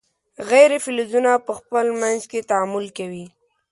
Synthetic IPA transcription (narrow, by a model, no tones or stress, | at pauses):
ɣajɾefɪlizunapəxpəlmanzket̪aamʊlkawi